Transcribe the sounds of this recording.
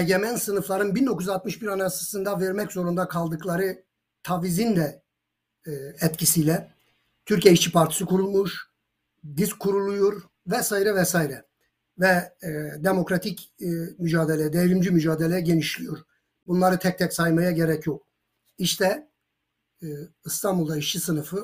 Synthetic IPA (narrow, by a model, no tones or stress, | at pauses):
ɛɟemænsɯnɯflˠaɾɯnbind̪okujzat̪mɯʃbiɾanasɯsɯnd̪avɛɾmɛczo̞ɾund̪akʰalˠd̪ɯklˠaɾɯ | t̪ʰavizind̪ɛ | ɛt̪cʰisijlʲɛ | t̪ʰyɾceiʃt͡ʃʰipʰaɾt̪ʰi̥sɯkʰuɾulˠmuʃ | d̪iskkʰːuɾulˠujoɾ | vɛsaːjiɾɛvɛsaːjiɾɛ | vɛd̪emo̞kɾat̪ʰicmyd͡ʒaːd̪e̞lʲejɛd̪ejɾimd͡ʒimyd͡ʒaːd̪elʲejɛɟe̞niʃlʲijoɾ | bunlˠaɾɯt̪ʰɛc̚t̪ʰɛcsajmajaɟe̞ɾɛcʰjo̞k̚ | iʃt̪ʰɛ | ist̪ʰanbulˠd̪aiʃt͡ʃʰisɯnɯfɯ